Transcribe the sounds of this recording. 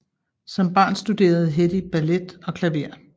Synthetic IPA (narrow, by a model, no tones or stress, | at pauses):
sɒ̽mb̥ɑ̰̈ːnsd̥ud̥e̝̰ːɐð̞̩ˠɦed̥ib̥æled̥ɒ̽kʰlæʋe̝ɐ̰